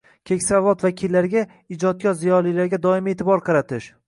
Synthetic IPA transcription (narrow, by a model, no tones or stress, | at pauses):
kʲʰe̞kʲsavɒt̪vakʲʰilːaɾɡʲa | ɪd͡ʒɒt̪̚ɡʲɒzijɒlˠilaɾɡʲad̪ɒɪme̞t̪ʰɪbɒɾqʰɑɾat̪ʰɪʃ